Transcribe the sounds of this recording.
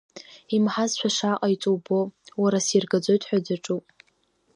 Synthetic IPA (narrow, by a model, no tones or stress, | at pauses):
imħazʃʷᶣaʂaqʼajit͡sʼubowaɾasirɡad͡zʷo̞jtʰʼħʷᶣadaʈ͡ʂʼupʼ